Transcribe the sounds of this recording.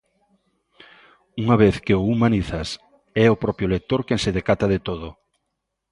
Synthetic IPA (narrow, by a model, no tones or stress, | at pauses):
uŋaβeθkeʊumaniθɐs | ɛʊpɾɔpjʊlek̚t̪oɾkẽnsɪðekat̪aðet̪oð̞ʊ